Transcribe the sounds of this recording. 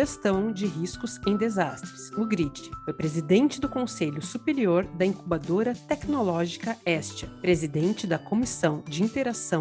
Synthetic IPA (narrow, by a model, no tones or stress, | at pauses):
ʒest̪ɐ̃w̃d͡ʒɪɦiskʊzẽj̃d̪ezast̪ɾɪsʊɡɾit͡ʃɪ̥fojpɾezid̪ẽnt͡ʃɪd̪ʊkõseʎʊsupeɾioɾd̪ɐĩkubad̪oɾɐt̪ɛknolɔʒikɐɛst͡ʃɐpɾezid̪ẽnt͡ʃɪd̪ɐkomisɐ̃w̃d͡ʒɪĩnt̪eɾasɐ̃